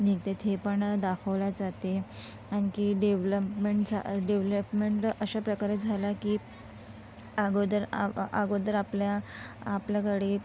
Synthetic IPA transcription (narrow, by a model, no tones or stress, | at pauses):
niɡt̪et̪ʰepəɳd̪akʰəʋlad͡zat̪e | añikiːɖeʋləpmeɳʈd͡zʱaɖeʋləpmeɳʈəɕapɾəkaɾed͡zʱalakiː | aɡod̪əɾa̰ɡod̪əɾapljaːpljakəɽe